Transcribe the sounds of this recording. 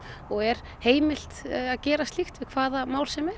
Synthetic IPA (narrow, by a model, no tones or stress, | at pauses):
ɔɣɛɾ̥ | heːjmɪl̥t̪aðcɛːɾast̪ixt̪vɪðkʰv̥aːðamaːwlsɛmɛɾ